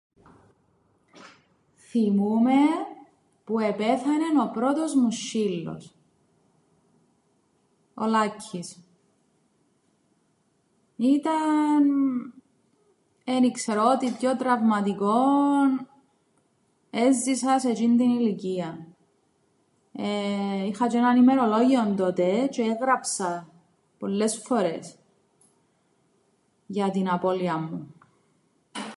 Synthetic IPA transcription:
θimume̞ | pue̞pe̞θɐne̞no̞pɾo̞t̪o̞zmuʃːilːo̰s | o̰lɐcʰːis | it̪ɐn | e̞nikseɾot̪ipço̞t̪ɾɐvmɐt̪iko̞n | e̞zːisɐse̞t͡ʃind̪iniliciɐ | eixɐt͡ʃenɐnime̞ɾo̞lo̞ʝiont̪o̞t̪et͡ʃeeɣɾɐpsɐ | po̞lːe̞sfo̞ɾe̞s | ʝɐt̪inɐpo̞liɐmːu

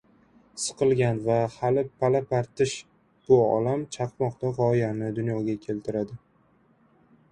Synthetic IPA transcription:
sɨ̥qʰɨlˠɡʲanvahalɪpʰːalapaɾt̪ɪʃ | b̥ʊɒ̰lamt͡ʃʰɑqmɒqt̪aʁɒɪjanɪd̪ʊnjɒɡʲakʲʰe̞lt̪ʰɪɾad̪ɪ

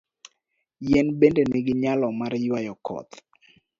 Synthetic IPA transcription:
jɛnbendenɪɡɪɲalɔmaɾjwajɔkʰɔ̰t̪

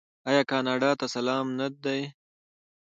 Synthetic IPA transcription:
ajɑːkɑːnɑːɖɑːt̪asalɑːmnad̪̚d̪aj

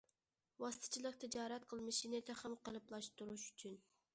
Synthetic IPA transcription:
wɑsɨ̥t̪ʰɨ̥t͡ʃʰilˠəq̚t̪ʰɪd͡ʒɑːɾæt̪qʰəlˠmɨʃinɪt̪ʰɛχɑmqəlˠɨplˠɑʃt̪uɾuʃyt͡ʃʰyn

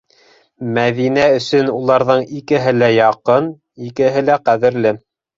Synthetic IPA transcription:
mæðinæɵ̆sɵnulˠɑɾðɤɴikɘ̆ɦɘlæjɑqɤn | ikɘ̆ɦɘlæqæðɘ̆ɾlɘ

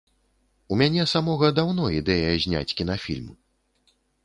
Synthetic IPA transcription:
umʲanʲɛsamɔɣɐd̪awnɔid̪ɛjɐzʲnʲa̰t͡sʲkʲinafʲḭlʲmu

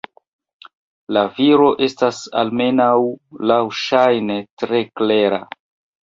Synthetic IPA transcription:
laviɾo̞ʔe̞stasa̰lme̞nawlawʃajnetɾe̞kle̞ɾa̰

